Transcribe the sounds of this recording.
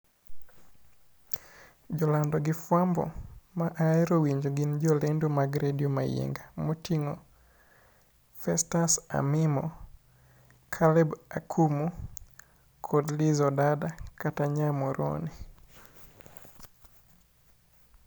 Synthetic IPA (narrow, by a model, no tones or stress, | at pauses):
d͡ʒɔlandɔɡɪfwambɔ̰maʔaɛɾowiɲd͡ʒoɡind͡ʒɔlendomaɡɾedioma̰jḛŋɡamotiŋɔ | fɛstasa̰mɪmɔ | kʰalɛba̰kʰumu | kʰodlizɔdadakataɲamɔɾo̰ni